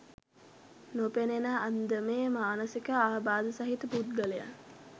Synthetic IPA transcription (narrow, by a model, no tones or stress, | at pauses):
nopenenaʔːnd̪əmeːmaːnəsikəaːɦbaːd̪əsaɦit̪əpud̪̚ɡəleja̰ŋ